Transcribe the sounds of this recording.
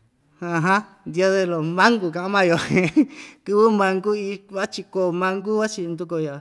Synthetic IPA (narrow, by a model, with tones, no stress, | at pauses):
hã˧ɦã˦ | nd̪ja˧ðe˧lo˨mã˦ŋɡu˧kã˧ʔã˦mã˧jo˨hẽ˧kɨ˧βɨ˦mã˧ŋɡu˦i˧βa˦t͡ʃi˧ko˨mã˧ŋɡu˦βa˦t͡ʃi˧nd̪u˧ko˧ja˨